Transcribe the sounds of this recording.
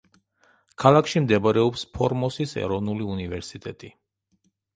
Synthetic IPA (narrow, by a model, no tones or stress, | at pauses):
kʰalˠakʰʃimd̪ɛbaɾɛɔpspʰɔɾmɔsisɛ̰ɾɔvnuliunivɛɾsit̪ʼɛt̪ʼi